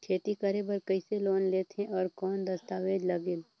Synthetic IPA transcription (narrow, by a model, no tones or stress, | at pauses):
t͡ʃʰeːt̪ikɐɾebəɾkɐiseloːnleːt̪ɦẽʔɔːɾkɔːnd̪ɐst̪aːʋeːd͡ʒlɐɡɪl